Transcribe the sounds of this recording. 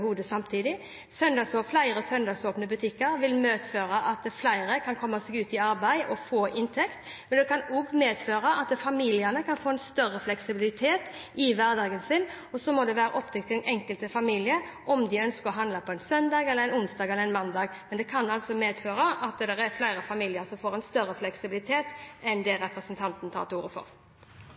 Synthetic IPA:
huːd̪əsɑmt̪ʰiːd̪ɪ | sœnd̪ɑːɡsoflæɪɾəsœnd̪ɑːɡsoːpnəbʉt̪ʰɪkːəɾʋɪlmøːt̪føːɾɑʔɑt̪̚d̪ɛflæɪɾəkʰɑnkʰɔmːɑsɛɡʉːt̪ɪɑɾbæɪʔɔfoːʔɪnt̪ʰɛkt̪ | mɛnd̪ɛkʰɑnɔɡmeːd̪føːɾɑʔɑt̪̚d̪ɛfɑmiːlɪənəkʰɑnfoːɛnst̪œʁəflɛksɪbɪlɪt̪ʰeːt̪ɪʋæʁd̪ɑːɡənsɪn | ɔsɔmɔd̪ɛʋæːɾə̰ʔɔp̚t̪ʰɛk̚t̪ʰːɪlɛnɛŋkəlt̪əfɑmiːlɪə | ʔɔmd̪ɪœnskəɾɔɦɑnlɑpʰɔɛnsœnd̪ɑːɡɛləɛnʊnsd̪ɑːɡɛlːɾɛnmɑnd̪ɑːɡmɛnd̪ɛkʰɑnɑlt̪sɔmeːd̪føːɾəʔɑt̪̚d̪ɛʁæflæɪɾəfɑmiːlɪəɾsɔmfoːɾɛnst̪œɾəflɛksɪbɪlɪt̪ʰeːt̪ɛnd̪ɛɾɛpɾəsnt̪ʰɑnt̪ən̩t̪ʰɑ̰ʁt̪uːɾəfɔ̰ʁ

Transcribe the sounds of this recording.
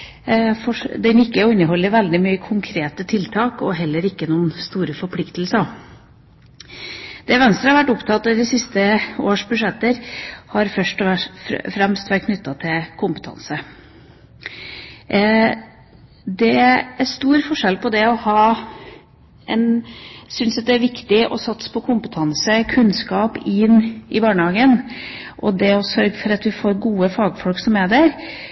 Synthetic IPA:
fɔd̪ɛnɪkːəɔɪnːəhɔlːəʋɛld̪ɪmyːəkʰʊŋkʰɾeːt̪ət̪ʰɪlt̪ʰɑːkɔɦɛlːəɾɪkːənuːənst̪uːɾəfɔɾpʰlɪkt̪əlsɑ | d̪̥ɛʋɛnst̪ɾɑhɑɾʋæʈːʊpt̪ʰɑt̪ːɑd̪ɪsɪst̪əoːʂbʉʂɛt̪ːəɾhɑɾfœʂʈɔfɾɛmst̪ʋæʈ̚kʰnʏt̪ːɑt̪ʰɪlkʰʊmpət̪ʰɑ̰nsə | d̪ɛæɾʂt̪uːɾfɔʂɛlpʰɔd̪ɛɔhɑː | ʔɛnsʏnsɑt̪̚d̪ɛæɾʋɪkt̪ɪʔɔ̰sɑt̪spʰɔkʰʊmpət̪ʰɑnsəkʰʉnskɑːpɪnːɪbɑːɳəhɑːɡənʔɔd̪ɛɔsœɾɡəfɔɾɑt̪ʋɪfoːɾɡuːəfɑːɡfɔlksɔmæd̪æɾ

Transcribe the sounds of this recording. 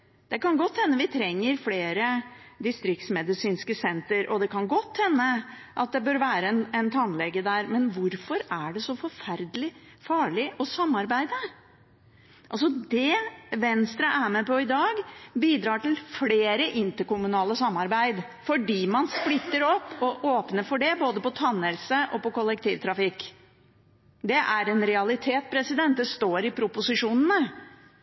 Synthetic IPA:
d̪̥ɛkɑnɡɔt̪ːhɛnːəʋɪt̪ʰɾɛŋːəɾfleːɾəd̪ɪst̪ɾɪk̚t̪smɛd̪ɪsiːnskəsɛnt̪əɾʔɔd̪ɛkɑnɡɔt̪ːhɛnːəʔɑt̪̚d̪ɛbøːɾʋæːɾəɛnɛnt̪ʰɑnlɛɡːəd̪æɾmɛnʋʊɾfɔɾæɖɛsɔfɔɾfæɾd̪əlɪ | fɑːɭɪʔɔsɑmːɑɾbæɪd̪ə | ʔɑls̬ɔd̪ɛʋɛnst̪ɾəʔæmɛpɔɪd̪ɑːɡbiːd̪ɾɑːʈɪlfleːɾəʔɪnt̪əɾkʊmʉnɑːləsɑmːɑɾbæɪd̪fɔɖiːmɑnsplɪt̪ːəɾɔpːɔʔoːpnəfɔɖɛboːd̪əpɔt̪ʰɑnːəlsəʔɔpɔkʊlːɛkt̪ʰiːʋt̪ʰɾɑfɪkː | d̪ɛʔæɾɛnɾɛɑlɪt̪ʰeːt̪̚pʰɾɛsɪd̪ɛnt̪̚d̪ɛst̪oːɾɪpʰɾʊpʊsɪʂuːnənə

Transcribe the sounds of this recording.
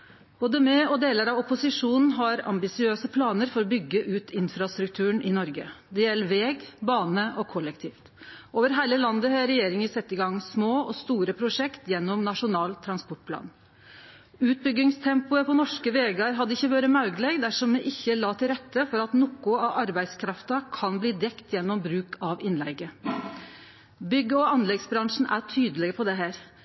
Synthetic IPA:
b̥oːd̪əmɛɔd̪eːləɾɑʋɔpʊsɪʂuːnn̩ɦɑɾɑ̰mbɪsɪøːsəpʰlɑːnəɾfɔɾɔbʏɡːəʔʉːt̪ʰɪnfɾɑst̪ɾʉkt̪ʰʉːəɳɪnɔɾɡə̰d̪ɛjɛlːəʋeːɡbɑːnəʔɔkʰɔlːɛkt̪ʰiːft̪ʔoːʋəɾɦæɪləlɑnd̪əhɑɾɛjeːɾɪŋəsɛt̪ːɪɡɑŋsmoːʔɔst̪uːɾəpʰɾʊʂɛkt̪jɛnːɔmnɑʂʊnɑːlt̪ʰɾɑnspɔʈ̚pʰlɑ̰ːn | ʉːt̪̚bʏɡɪŋst̪ʰɛmpʊəpʰɔnɔʂkəʋeːɡɑɾɦɑd̪ːəɪçːəʋøɾəmɑʉɡəlɛɡd̪æʂɔmːɛʔɪçːəlɑːt̪ʰɪlɾɛt̪ːəfɔɾɑt̪nʊkːʊɑʔɑɾbæɪskʰɾɑft̪ɑkʰɑnbliːd̪ɛkt̪ʰjɛnːɔmbɾʉːkʰɑʋɪnlɛ̰ɡə | bʏɡːəɔɑnlɛɡsbɾɑŋʂn̩æʈʰyːd̪əlɛɡəpʰɔd̪ɛɦæːɾ

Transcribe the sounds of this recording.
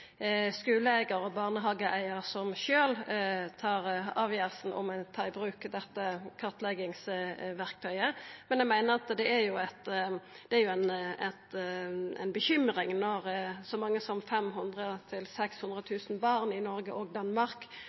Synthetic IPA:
skʉːləæɪɡəɾɔbɑːʁnəɦɑːɡəʔæɪəʁsɔmʃøːlt̪ʰɑːʁɑːʋjeːʁsn̩ʔɔ̰mɛt̪ʰɑːɪbɾʉːkd̪ɛt̪ːəkʰɑʁt̪lɛɡɪŋsʋæʁk̚t̪ʰœʏəmɛnjæɪmæɪnəʁɑt̪d̪ɛæɾjʊɛt̪ | d̪̥ɛæɾjʊæɪnɛt̪æ̰ɪnbəçʏmʁɪŋnɔʁsɔmɑŋːəsɔmfɛmɦʉnd̪ʁət̪ʰɪlsɛkshʉnd̪ʁət̪ʰʉːsn̩bɑʁnɪnɔɾɡəʔɔːɡ̚d̪ɑnmɑʁk

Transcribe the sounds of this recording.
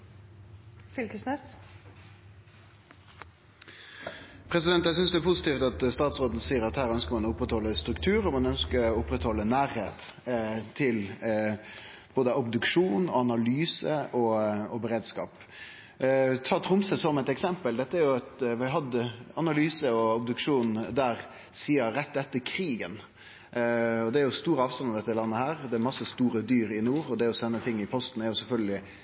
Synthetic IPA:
fɪlkəsnɛs | pʰɾɛsɪd̪ɛnt̪jæsʏnsd̪ɛæpʰʊsɪt̪iːft̪ɑt̪st̪ɑːt̪sʁoːd̪nəsiːəɾɑt̪hæːʁœnskəɾmɑnɔʊpɾɛt̪hɔlːəst̪ɾʉkt̪ʰʉːɾɔmɑnœnskəʊpɾɛt̪hɔlːənæːɾheːt̪t̪ʰːɪl | b̥oːd̪əɔbd̪ʉkʂuːnɔɑnɑlyːsəʔɔɔbɛɾeːd̪skɑ̰ːp | t̪ʰɑːt̪ʰɾʊmsəsɔmɛt̪ɛksɛmpəld̪ɛt̪ːəæɾjʊɛt̪ʋɪɦɑd̪ːəɑnɑlyːsəɔɔbd̪ʉkʂuːn̩d̪æːɾ | siːəɾɛt̪ːɛt̪ːəɾkʰɾiːɡən | ɔd̪ɛæɾjʊst̪uːɾəɑːʋst̪ɑnɑd̪ɛt̪ːɪlɑnːəhæːɾd̪ɛæɾmɑsəst̪uːɾəd̪yːɾɪnuːɾɔd̪ɛæɾɔsɛnːət̪ʰɪŋːɪpʰɔst̪n̩æɾjʊsɛlfœlɡəlɪ

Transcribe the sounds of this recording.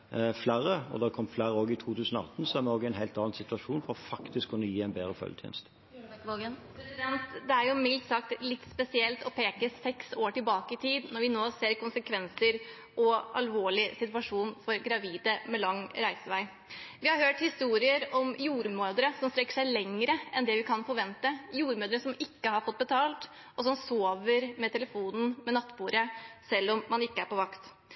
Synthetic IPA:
flæːɾəɔ̰d̪ɑkʰɔmːflæːɾəoːɡɪt̪ʰuːt̪ʰʉːsənɔɑt̪ːn̩sɔæɾmɛnɔːɡɛɪnɦɛɪlt̪ɑːnn̩sɪt̪ʋɑʂuːnfɔɾɔfɑkt̪ɪskʰːʊnːəjiːæɪnbeːd̪ɾəfœ̰lət̪ʰɛ̰ːnst̪ | oənpʰɾɛsɪd̪ɛnt̪d̪ɛæɾjʊmɪlt̪sɑkt̪lɪt̪ːspɛsɪɛlt̪ɔpʰeːkəsɛksoːʈɪlbɑːkəɪt̪ʰiːd̪nɔɾʋɪnoːseːɾkʊnsəkʰʋɛnsəɾ | ʔɔʔɑ̰lʋoːɭɪsɪt̪ʋɑʂuːnfɔɾɡɾɑʋiːd̪əmɛlɑŋːɾæɪsəʋæɪ | ʋɪhɑɾhøːʈhɪst̪uːɾɪəɾɔmjuːɾmøːd̪əɾəsɔmst̪ɾɛkːə̥ʂæɪlɛŋːəɾəʔɛnd̪ɛʋɪkʰɑnfɔɾʋɛnt̪əjuːɾmøːd̪əɾəsɔmɪkːəhɑɾfɔt̪̚ːbət̪ʰɑːlt̪ | ɔsɔmsoːʋəɾmɛt̪ʰɛləfuːnn̩mɛnɑt̪ːbuːɾəsɛlːɔmːɑnɪkːəæɾpɔʋɑkt̪

